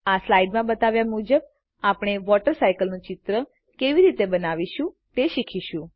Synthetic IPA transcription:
aslaiɖmãbət̪aʋjamud͡ʒəb̚ | apɳ̃eʋɔʈəɾsajkəlnũt͡ʃɪt̪ɾə | keʋiɾit̪ebənaʋiʃũ | t̪eʃikʰiʃũ

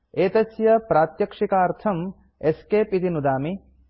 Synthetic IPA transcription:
eːt̪ɐsjɐpɾaːt̪jɐkʂikaːɾt̪ʰɐm | eskeːpit̪inud̪aːmi

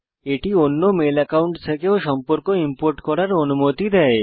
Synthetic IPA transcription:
eʈionːomelɛkauɳʈt͡ʃʰekeoʃɔmpoɾkoimpoɾʈkɔɾaɾonumot̪id̪ɛe

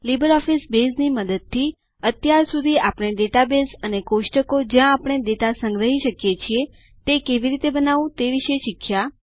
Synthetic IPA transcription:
libəɾɔfisbesniməd̪əd̪̚t̪ʰːi | ət̪jaɾsud̪ʱiapɽ̃eɖeʈabesənekoʃʈəkod͡ʒjãːpəɳ̃eɖeʈasə̃ŋɡɾəɦiʃəkjet͡ʃʰie | t̪ekeʋiɾit̪ebənaʋũt̪eʋiʃeʃikʰːja

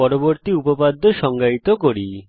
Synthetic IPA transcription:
ɔɾoboɾt̪iupopad̪ʱːoʃɔŋɡait̪okoɾi

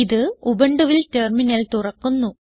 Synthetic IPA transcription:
iðɨubɐɳɖuʋilterminɐlt̪urɐkːunːu

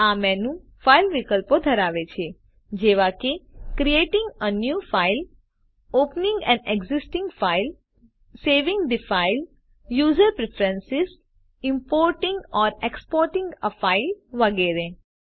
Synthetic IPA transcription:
amɛ̃nũ | failʋɪkəlpõd̪ʱəɾaːʋet͡ʃʰe | d͡ʒeʋakekɾieʈɪ̃ŋɡənjuːfaɪl | oːpnɪ̃ŋɡɛ̃ɳɖeɡzɪsʈɪ̃ŋɡfaɪl | seːʋɪ̃ŋɡɖifaɪl | juːzəɾpɾɛfʰɾə̃nsɪz | ɪ̃mpoːɾʈɪ̃ŋɡɔːɾekspoːɾʈɪ̃ŋɡəfaɪlʋəɡɛɾẽ

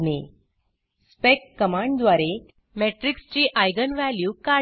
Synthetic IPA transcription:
ne | spekːəmãɳɖd̪ʋaɾe | meʈɾikst͡ɕiːʔajɡənʋæljuːka

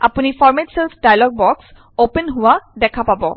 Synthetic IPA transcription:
apunifʰɔɹmetselsdajalɔɡ̚bɔks | openɦʊwadɛkʰapabɔ

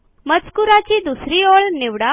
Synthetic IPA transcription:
mət͡skuɾat͡ɕiːd̪usɾiːoɭniʋɽa

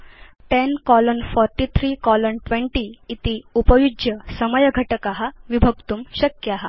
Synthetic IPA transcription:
ʈ̪enkɔlənfɔɾʈit̪ʰɾiːkɔlənʈʋẽɳʈiːt̪iupəjud͡ʑjəsəməjəɡʱəʈəkaɦaʋibʱəɡt̪uːmɕəkjəaɦa

